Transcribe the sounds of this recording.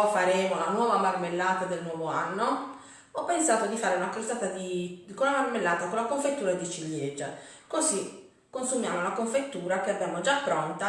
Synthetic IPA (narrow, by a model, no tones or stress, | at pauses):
faɾɛːmolanwɔːvamarmelːaːt̪ad̪elnwɔːvoa̰nːo | ɔpːensaːt̪od̪ifaːɾeunakalsaːt̪ad̪ikonlːamarmelːaːt̪akonlakoɱfet̪ːuːɾad̪it͡ʃiljed͡ʒːa̰kozi | kːonsumjaːmounlakoɱfet̪ːuːɾakeabjamod͡ʒapːɾɔnt̪a